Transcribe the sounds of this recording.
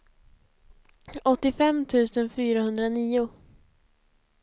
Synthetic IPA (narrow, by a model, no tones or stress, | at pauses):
ɔt̪ːɪfɛmːt̪ʰʉ̟ːsənfyːɾahɵnd̪ɾaniːʊ